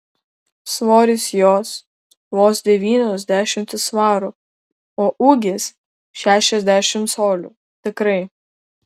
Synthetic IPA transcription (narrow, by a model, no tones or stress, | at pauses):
sʋoːɾʲɪsjoːs | ʋoːsd̪ʲɛʋʲiːnʲoːzʲd̪ʲæːʃʲɪmt̪ʲɪsʋɑːɾʊ | oːʔuːɡʲɪs | ʃʲæːʃʲɛzʲd̪ʲæːʃʲɪmt̪soːlʲṵː | t̪ʲɪkɾɐɪ